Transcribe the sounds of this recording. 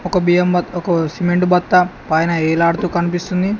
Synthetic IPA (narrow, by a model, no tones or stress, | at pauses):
ɔkɐbijɐmbɐɔkɐsimeɳʈubɐt̪ːɐpɐːjnɐeːlaːɽut̪uːkɐnipist̪und̪i